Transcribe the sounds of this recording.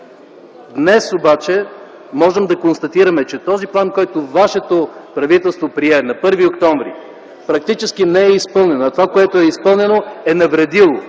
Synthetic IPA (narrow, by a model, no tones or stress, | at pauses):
d̪nɛsobat͡ʃɛ | mɔʒɛmd̪ɐkonst̪ɐt̪iɾɐmɛt͡ʃɛt̪ɔziplˠankɔjt̪ovaʃɛt̪opɾɐvit̪ɛlˠst̪vopɾiɛnɐpɤɾviokt̪ɔɱvɾḭ | pɾɐk̚t̪it͡ʃɛsk̟inɛɛispɤlˠnɛnoɐt̪ovakoɛt̪oɛispɤlˠnɛnoɛnɐvɾɛd̪ilˠo